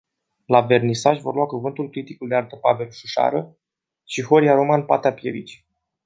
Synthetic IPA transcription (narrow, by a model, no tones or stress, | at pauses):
lave̞rnisaʃʲvo̞rluakuvɨnt̪ulkɾit̪ikuld̪eart̪əpave̞lʃuʃa̰ɾə | ʃixo̞ɾijaɾomanpat̪eapje̞̰ɾit͡ʃi̥